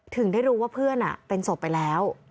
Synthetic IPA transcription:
t̪ʰɯ˨˩˦ŋdaː˥˩jɾuː˦˥waː˥˩pʰɯ˥˩ənʔa̰˨˩pe˧nso˨˩pːa˧jlɛː˦˥w

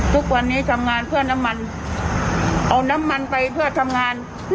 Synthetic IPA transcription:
t̪ʰu˦˥k̚wa˧nːiː˦˥t̪ʰa˧mŋaː˧npʰɯ˥˩ɐna˦˥˨mːa˧n | ʔa˧wna˦˥˨mːa˧npa˧jpʰɯ˥˩ɐt̪ʰa˧mŋaː˧n

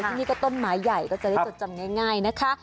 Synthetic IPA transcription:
i˧niː˦˥kɔː˥˩t̪o˥˨nmaː˨˦jːa˨˩jkɔː˥˩t͡ɕa˨˩da˦˥˧t͡ɕa˧˩mŋa˥˩jŋaː˥˩jna˦˥kʰa˦˥ʔ

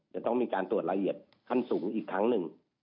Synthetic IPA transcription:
t͡ɕa˧˩t̪ɔ˥˩ŋmiː˧kaː˧nt̪u˨˩ət̪̚la˧ʔi˨˩ət̪̚ | kʰa˧˥˨nsuː˩˦ŋʔiː˨˩kʰːɾa˦˥ŋnɯ˨˩ŋ

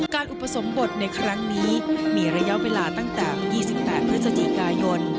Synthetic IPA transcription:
kaː˧nʔu˨pʰːa˧so˩˦mbo˨˩t̪̚na˧jkʰɾa˦˥ŋniː˦˥miː˧˩ɾa˧ja˦˥ʔweː˧laː˧t̪a˥˩ŋt̪ɛː˨˩jiː˥˩si˨˩pːɛː˨˩t̪̚pʰɾɯ˦˥t̪̚sa˧t͡ɕi˨˩kaː˧jo˧n

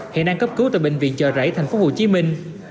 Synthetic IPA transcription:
hḛ˧˨naː˧ŋkə˦˥p̚kɨ˨˦wt̪aː˧˨jɓï˧˨ŋ̟vḭ˧˨ənt͡ɕəː˧˨˩zə̰˧˩jt̪ʰa˨˩jŋ̟fo˨˦ho˧˩t͡ɕi˨˦mï˧ŋ̟

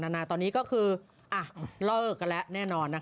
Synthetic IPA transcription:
naː˧naː˧t̪ɔː˧ni˦˥kɔː˥˩kʰɯː˧ | ʔa˨˩lɤː˥˩k̚alɛ˦˥ʔnɛː˥˩nɔː˧nːa˦˥

